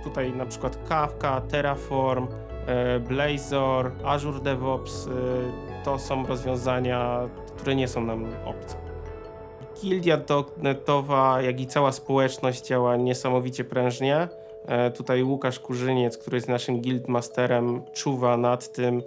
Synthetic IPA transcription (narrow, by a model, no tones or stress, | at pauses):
t̪ut̪ajnapʂɘ̥kwat̪kafkat̪ɛɾafɔɾm | blɛjzɔɾaʐuɾd̪ɛvɔps | t̪ɔsɔ̃w̃ɾɔzvʲjɔ̃w̃zaɲa | kt̪uɾɛɲɛsɔ̃w̃namɔ̰p̚t̪sʲɛ̥ | ɡʲild̪ʲjad̪ɔɡnɛt̪ɔvajaɡʲit̪sawaspɔwɛt͡ʂnɔʑd͡ʑd͡ʑawaɲɛsamɔvʲit͡ɕɛpɾɛ̃w̃ʐɲɛ | t̪ut̪ajwukaʂkuʐɘɲɛt̪skt̪uɾɘjɛznaʂɘmɡʲild̪mast̪ɛɾɛmt͡ʂuvanat̪ːɘm